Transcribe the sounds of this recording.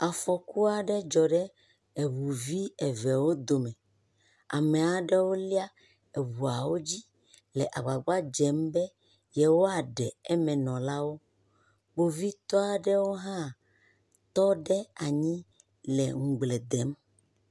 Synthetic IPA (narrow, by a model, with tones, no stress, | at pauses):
a˨fɔ˨ku˦a˨ɖɛ˦d͡ʒɔ˨ɖɛ˦ | e˨wu˨vi˦ɛ˨vɛ˨wo˦d̪o˨mɛ̃˨ | a̰˨mɛ˨a˨ɖɛ˦wo˦li˦a˦ | e˨wu˨a˨wo˦d͡ʑi˦ | lɛ˨ʔa˨ɡ͡ba˨ɡ͡ba˦d͡ʒɛ˨˦mbɛ˦ | jɛ˨wo˦a˨ɖɛ˨ɛ˦mɛ̃˨nɔ̃˨la˦wo˦ | bo˨vi˦t̪ɔ˦a˨ɖɛ˦wo˦ɦã˦ | t̪ɔ˦ɖɛ˦a˨ɲĩ˦ | lɛ̰˨ŋ̩˨ɡ͡ble˨d̪ɛ˨˦m